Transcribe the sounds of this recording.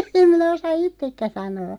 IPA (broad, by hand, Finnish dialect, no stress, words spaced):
em minæ osɑ itːekːæ sɑnoː